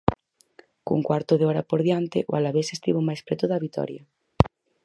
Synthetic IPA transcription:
kṵŋkwaɾt̪oðeɔɾapoɾðjant̪eʔoalaβesest̪iβomajspɾɛt̪ʊðaβit̪ɔ̰ɾja

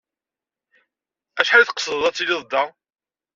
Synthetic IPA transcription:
æʃħalθə̥qə̥sðəðˤæt͡sːilɪðˤd̪ːɑ

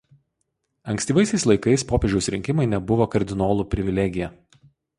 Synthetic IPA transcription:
ɐŋʲksʲt̪ʲiːʋɐɪsʲɛɪslˠɐɪkɐɪspoːpʲɛʒd͡ʒʲɛʊsɾʲɪŋʲkʲɪmɐɪnʲɛbʊʋoːkɐɾʲd̪ʲɪnoːlˠupʲɾʲɪʋʲɪlʲɛɡʲɪjɛ

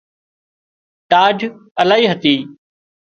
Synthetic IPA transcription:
ʈaːd͡ʒʱəlaːɦiːɦət̪iː

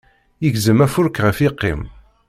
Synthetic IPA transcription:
jəɡzəmæfʊɾkʁəfiqːḭm

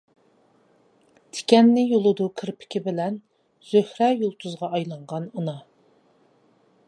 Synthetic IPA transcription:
t̪ʰɪ̥kʲɛnːɪjolˠɨd̪ukʲʰɪɾpʰɪ̥kʲibɪlɛn | z̥øhɾɛjolˠt̪ʰuzʁɑɑjlˠɑɴʁɑnunɑ

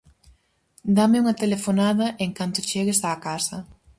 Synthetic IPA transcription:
d̪amɪuŋɐt̪elefonaðɐʔeŋkant̪ʊt͡ʃeɣɪsaːkasɐ

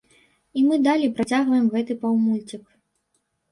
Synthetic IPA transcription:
imɨd̪alʲipɾat͡sʲaɣvɐjɛmɣɛt̪ɨpɐwmulʲt͡sʲik

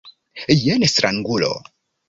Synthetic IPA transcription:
jɛnesɾaŋɡulo̰

